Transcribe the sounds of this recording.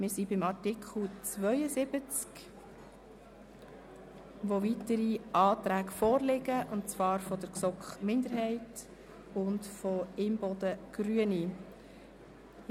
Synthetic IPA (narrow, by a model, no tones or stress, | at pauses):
mɪɾsibɪmɑɾtɪkʰχl̩ˠt͡svœʏəsɪbət͡sk | ʋoʋitəɾiʔɑːt̪ɾæːɡfɔːɾlɪɡəʔʊntt͡sʋɑːɾfɔd̥̪əɾksɔkχmɪnd̪əɾɦɛɪt | ʊntfɔɪmbɔdəɡ̥ɾyəni